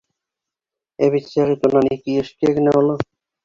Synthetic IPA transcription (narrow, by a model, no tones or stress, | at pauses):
eβitːʃaɾit̪onanikieʃʈiekneɦolo